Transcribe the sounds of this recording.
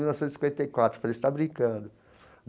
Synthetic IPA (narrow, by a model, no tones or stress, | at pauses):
iuwnɔvsẽt̪sĩkwẽt̪ejkwat̪ɾʊfaleist̪abɾĩkɐ̃d̪ʊ